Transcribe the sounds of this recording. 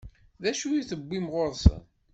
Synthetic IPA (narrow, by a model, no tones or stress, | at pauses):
ðæʃuiθəbːimʁoɾˤsə̰n